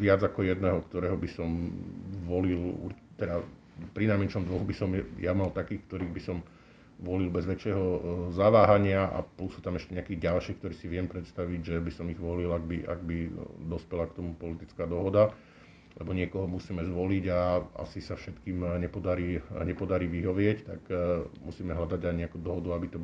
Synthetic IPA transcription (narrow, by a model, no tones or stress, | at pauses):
ʋɪad͡zakɔjɛd̪nɛɦɔkt̪ɔɾɛːɦɔbisɔmʋɔlilṵɾ | t̪ɛd̪a | pɾinamɛnt͡ʃɔmd̪ʋɔɣubisɔmjamalt̪akiːxkt̪ɔɾiːɣbisɔm | ʋɔlilbɛzʋɛt͡ʃjɛɦɔzaʋaːɦaɲɪaʔa̰plusːuːt̪amɛʃcɛɲɛakiːɣɟalʃiːxkt̪ɔɾiːsiʋɪɛmpɾɛt̪st̪aʋiɟʒɛbisɔmiɣʋɔlilaɡ̚biʔa̰ɡ̚bid̪ɔspɛlakt̪ɔmupɔlit̪it͡skaːd̪ɔɦɔd̪a | lɛbɔɲɪɛkɔɦɔmusiːmɛzʋɔliɟaa̰sisafʃɛt̪kiːmɲɛpɔd̪aɾiːɲɛpɔd̪aɾiːʋiɦɔʋɪɛct̪a̰ɡmusiːmɛɦʎad̪aɟajɲɛakuːd̪ɔɦɔd̪uabit̪ɔb